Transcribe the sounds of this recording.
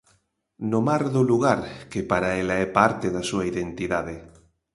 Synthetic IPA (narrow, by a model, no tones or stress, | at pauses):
nomaɾðoluɣaɾkepaɾaelaɛpaɾt̪eðasuaiðent̪iðaðe